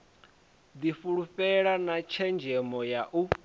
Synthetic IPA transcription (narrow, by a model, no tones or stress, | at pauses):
d̪ifuɺuɸɛɺanat͡ʃʰɛnd͡ʒʱɛmɔjaʔu